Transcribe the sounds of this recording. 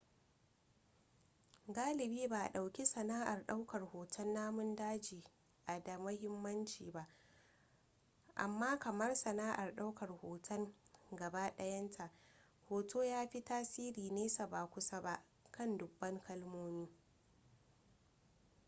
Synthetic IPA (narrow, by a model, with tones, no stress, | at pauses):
ɡaː˦lɪ˨biː˦ba˨ʔa̰˨ɗa˨wkʲi˦sɐ˨naː˦ʔa˨rɗa˦wkɐ˨rhoː˨tʰɐ˦nːaː˦mʊ˦ndaː˦d͡ʒiː˨ | ʔa˨da˨mɐ˦hɪ˦mːɐ˦nt͡ʃiː˨ba˦ʔ | ʔa̰˨mːaː˦kɐ˨mɐ˦rsɐ˨naː˦ʔa˨rɗa˦wkɐ˨rhoː˨tʰɐ˦ŋɡɐ˨ba˦ɗɐ˦jɐ˦ntʰa˨ʔ | hoː˨tʰoː˦jaː˦ɸi˦taː˦siː˦ɾiː˨neː˦sa˨ba˨kʷʊ˦sa˦ba˦ʔ | kɐ˦˨ndʊ˨bːɐ˦ŋkɐ˦lmoː˦miː˦